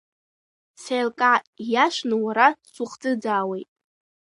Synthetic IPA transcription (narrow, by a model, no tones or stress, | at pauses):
sejlkʼajaʃʷnɨwaɾasuχd͡zʼɨd͡zaːwejtʼ